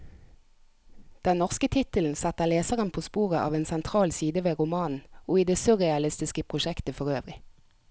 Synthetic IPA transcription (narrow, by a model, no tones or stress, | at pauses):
d̪̥ɛnnɔʁskət̪ʰɪt̪əln̩sɛt̪əleːsəʁənpʰoːspuːʁəʔɑ̰ːʋeːnsɛnt̪ʰʁɑːlsiːd̪əʋeːʁʊmɑːnn̩oːiːd̪eːsʊʁɛɑlɪst̪ɪskəpʰʁʊʃɛkt̪əfɔʁøːʋʁɪ